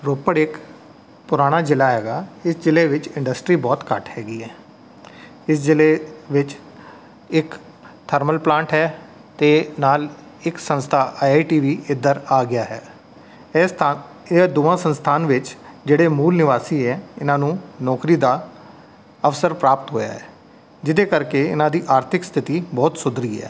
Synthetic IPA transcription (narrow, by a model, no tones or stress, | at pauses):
ɾoːpəɽɪk | pʊɾaːɽ̃aːd͡ʒɪlaːɦɛːɡaːɪsd͡ʒɪleːʋɪt͡ʃɪ̃ɳɖəsʈɾiːbɔːt̪kəʈɦɛːɡiːɦɛː | ɪsd͡ʒɪleːʋɪt͡ʃ | ɪk | t̪ʰəɾməlplãːɳʈɦɛː | t̪eːnaːl | ɪksə̃nst̪ʰaːʔaːaːiʈiːʋiːɪd̪əɾaːɡɪjaːɦɛː | ed̪oːãːsə̃nst̪ʰaːnʋɪt͡ʃd͡ʒeːɽeːmuːlnɪʋaːsiːɛːɪnãːnũːnɔːkɾiːd̪aː | əʋsəɾpɾaːp̚t̪ɦoːja̰ːɦɛ̰ː | d͡ʒɪd̪eːkəɾkeɪ̰nãːd̪iːʔaːɾt̪ʰɪkst̪ʰɪt̪iːbɔːt̪sʊd̪ɾiːɦɛ̰ː